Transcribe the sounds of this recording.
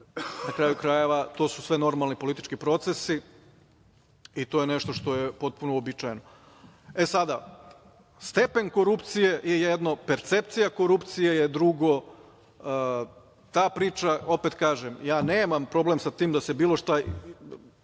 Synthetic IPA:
nakɾaːjukɾaje̞ʋat̪o̞susʋeno̞ɾmalˠnipo̞lit̪it͡ʃkipɾo̞t̪sesi | it̪o̞ːjene̞ʃt̪o̞ʃt̪o̞jepo̞t̪̚punoobit͡ʃajeno | e̞sad̪a | st̪e̞pe̞ŋko̞ɾupt̪sije̞jejed̪no̞pe̞ɾt̪sept̪sijako̞ɾupt̪sije̞jed̪ɾuɡo̞ | t̪aːpɾiːt͡ʃao̞pet̪kaːʒemjaːneːmampɾo̞blˠemsat̪iːmd̪asebiːlˠo̞ʃt̪a

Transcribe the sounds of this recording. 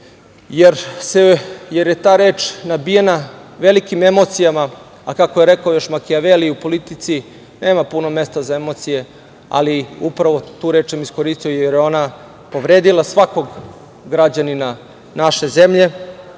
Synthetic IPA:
jeɾsejeɾjet̪aːɾe̞ːt͡ʃnabijenaʋe̞likime̞mo̞t̪sijama | akakojeɾe̞kaojo̞ʃmakiaʋeliupo̞lit̪it̪si | ne̞ːmapunome̞st̪azaemo̞t̪sije̞ | a̰liupɾaʋo̞t̪uːɾe̞ːt͡ʃsamisko̞ɾist̪ijojeɾjeo̞na | po̞ʋɾeːd̪ilˠasʋako̞ɡ | ɡɾad͡ʑanina | naʃe̞ze̞mʎe̞

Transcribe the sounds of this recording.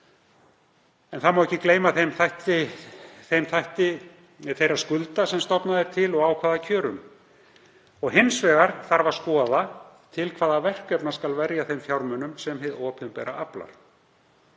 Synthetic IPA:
ɛnθaðmawɛçcɪkleːjmaθejmθajht̪ɪθejmθajht̪ɪ | θejɾḁskʏlt̪asɛmst̪ɔpnaðɪɾ̥t̪ʰɪlɔɣaːwkʰvaːðacʰœːɾʏm | ɔɣɦɪnsvɛːɣaɾ̥θaɾvaɾ̥skɔːða | t̪ʰɪlkʰvaːðavɛr̥kɛpnḁskalvɛɾjaθejmfjawɾmœnʏmsɛmɦɪðɔːpʰɪmpɛ̰ːɾa̰ʔapla̰ɾ̥

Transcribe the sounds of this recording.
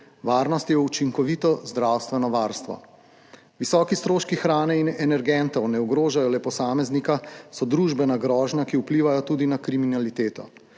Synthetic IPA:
ʋaːɾnɔst̪jɛut͡ʃiŋkɔʋiːt̪ɔzd̪ɾawst̪ʋɛnɔʋaːɾst̪ʋɔ̰ | ʋisɔːkist̪ɾoːʃkixɾaːnɛinɛnɛɾɡɛnt̪ɔwnɛuɡɾoːʒajɔlɛpɔsaːmɛznikasɔd̪ɾuːʒbɛnaɡɾɔːʒnakiuwpliːʋajɔt̪uːd̪inakɾiminalit̪eːt̪ɔ̰

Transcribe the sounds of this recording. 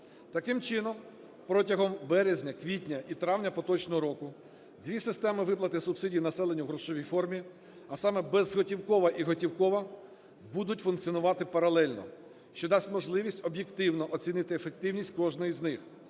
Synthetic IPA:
t̪ɐkɪmt͡ʃɪnɔm | pɾɔtʲɐɦɔmbɛɾezʲnʲɐkʋʲitʲnʲɐʔit̪ɾɑwnʲɐpɔt̪ɔt͡ʃnɔɦɔɾɔkʊ | d̪ʋʲisɪst̪ɛmɪʋɪplˠɐt̪ɪsʊbsɪdʲijnɐsɛlˠenʲːɐɦɾɔʃɔʋʲijfɔrmʲi | ɐsɑmɛbɛzɦɔtʲiwkɔʋɐʔiɦɔtʲiwkɔʋɐ | bud̪ʊtʲfunk̪t͡sʲiɔnʊʋɑt̪ɪpɐɾɐlˠɛlʲnɔ̰ | ʃt͡ʃɔd̪ɑsʲtʲmɔʒlˠɪʋʲisʲtʲɔbjekt̪ɪwnɔʔɔt͡sʲinɪt̪ɪefek̚t̪ɪwnʲisʲt̚ʲkɔʒnɔjiznɪx

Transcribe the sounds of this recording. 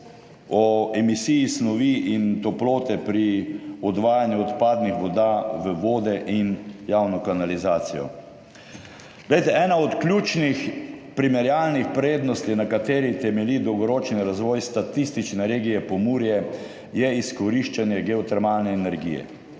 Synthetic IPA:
ɔɛmisijisnɔʋiʔint̪ɔploːt̪ɛpɾiɔd̪ʋaːjanjuɔt̪paːd̪nixʋɔd̪aʋəʋoːd̪ɛʔinjawnɔkanalizaːt̪sijɔ̰ | ɡlejt̪ɛɛːnaɔt̪klʲjuːt͡ʃnixpɾimɛɾjalnixpɾeːd̪nɔst̪inakat̪eːɾit̪ɛmɛlid̪ɔwɡɔɾoːt͡ʃniɾazʋɔjst̪at̪ist̪it͡ʃnɛɾeːɡijɛpɔmuːɾjɛ | jɛiskɔɾiʃt͡ʃanjɛɡɛɔt̪ɛɾmalnɛːnɛɾɡḭjɛ̰

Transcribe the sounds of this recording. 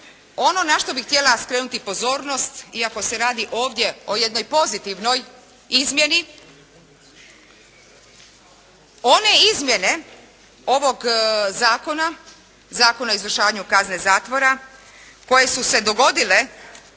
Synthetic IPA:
o̞no̞naʃt̪o̞bixt̪ʲjelaskɾeːnut̪ipo̞zo̞ːɾno̞st̪iako̞se̞ɾaːd̪iʔo̞ːʋd̪je̞o̞je̞d̪no̞jpo̞zit̪iʋno̞j | izmje̞ni | o̞ne̞izmje̞ne̞ | o̞ʋo̞ɡzaːko̞na | zaːko̞naoizʋr̩ʃaːʋaɲukaznezaːt̪ʋo̞ɾa | ko̞je̞suse̞d̪o̞ɡo̞d̪ile̞

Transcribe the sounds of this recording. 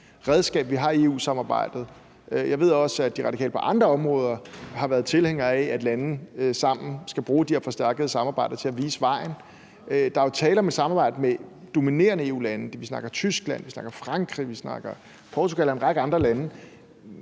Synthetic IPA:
ʁɛð̞ˠsɡ̥ɛ̰ːb̥ʋiɦɑ̈ie̝ːṵːsɑ̈mɑ̈ːb̥ɑ̈ɪ̰d̥ð̩ˠ | jɑ̈ɪʋe̝ðˠɒ̽sæd̥iʁɑ̈d̥ikʰɛ̰ːlə̥pʰɒ̽ʔɑ̈nd̥ʁɐɒ̽mʁɔːð̞ˠɐhɑ̈ʋæɐð̞ˠt͡sʰe̝lheŋ̰ɐææd̥lænn̩sɑ̈m̰n̩sɡ̥æb̥ʁuːd̥iheɐfɒ̽sd̥æɐɡ̥əð̩ˠsɑ̈mɑ̈ːbɑ̈ɪ̰d̥ɐt͡sʰe̝æʋiːsəʋɑ̈ɪn | d̥ɑ̈æt͡sʰɛːlɒmed̥sɑ̈mɑ̈ːb̥ɑ̈ɪd̥əmed̥o̝mine̝̰ːɐnəe̝ːṵːlænd̥eʋisnɑ̈ɡ̥ɐt͡sʰysɡ̥læn̰ʋisnɑ̈ɡ̥ɐfʁɑ̈ŋɡ̥ʁḭʋisnɑ̈ɡ̥ɐ | pʰɒːt͡sʰuɡ̥ælɒenʁɑ̈ɡ̥əɑ̈nd̥ʁɐlænə

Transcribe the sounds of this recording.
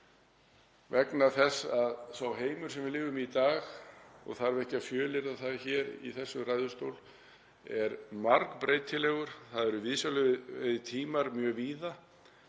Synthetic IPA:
vɛknaθɛsaðsawɦeːjmʏ̥sɛmvɪðlɪːɣʏmit̪aːxɔ̰ɣθaɾvɛhcɪafjœːlɪɾðaθaðçɛːɾḭθɛsːʏɾrajðʏst̪owl | ɛɾmaɾkpɾeːjt̪ʰːɪlɛɣʏɾ̥θaðɛɾʏvɪðsjalʏðɪt̪ʰiːmaɾmjœːɣviːða

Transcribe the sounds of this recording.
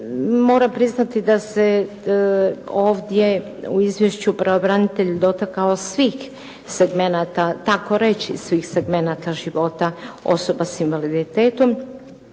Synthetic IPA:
mo̞ːɾapɾiznat̪id̪ase | o̞ːʋd̪je̞ | uizʋjeʃt͡ɕupɾeobɾanit̪eʎud̪o̞t̪akaosʋiːx | seɡmenaːt̪at̪ako̞ɾet͡ɕisʋiːxseɡme̞nat̪aʒiʋo̞t̪ao̞̰so̞basinʋalid̪it̪eːt̪o̞m

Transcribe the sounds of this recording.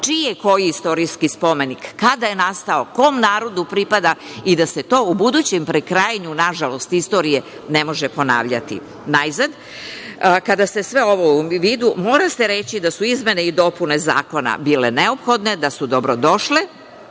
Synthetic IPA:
t͡ʃijeko̞jiist̪o̞ɾijskispo̞me̞nikːad̪ajenast̪aoko̞mnaːɾo̞d̪upɾipad̪aid̪ase̞t̪o̞ːubud̪ut͡ɕempɾekɾajaɲunaʒalo̞st̪ist̪o̞ɾije̞ | ne̞mo̞ʒepo̞na̰ːʋʎa̰t̪ḭ | najzad̪ | kad̪ase̞sʋe̞o̞ʋoʋiːd̪umo̞ːɾaseɾe̞t͡ɕid̪asuizme̞neid̪o̞pune̞za̰ːko̞na̰biːle̞ne̞o̞pxo̞d̪ne̞d̪asud̪o̞bɾo̞d̪o̞ʃle

